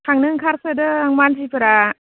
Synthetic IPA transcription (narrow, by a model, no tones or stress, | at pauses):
kʰaŋnɯŋkʰaɾsɯdɯaŋmanzipʰɯɾa